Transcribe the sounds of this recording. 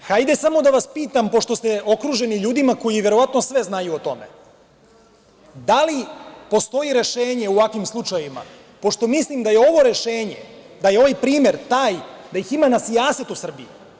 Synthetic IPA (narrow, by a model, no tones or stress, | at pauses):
xajd̪e̞samo̞d̪aʋaspiːt̪ampo̞ʃt̪ost̪eo̞kɾuʒe̞niʎuːd̪imako̞jiʋje̞ɾo̞ʋat̪nosʋe̞znajuot̪o̞me | d̪alipo̞st̪o̞jiɾe̞ʃe̞ːɲe̞uʋakʋimslˠut͡ʃajima̰ | po̞ʃt̪o̞mislimd̪ajeo̞ʋo̞ɾe̞ʃeːɲḛ | d̪ajeo̞ʋajpɾiːme̞ɾt̪aːjd̪ajiximanasijaːset̪usr̩biḭ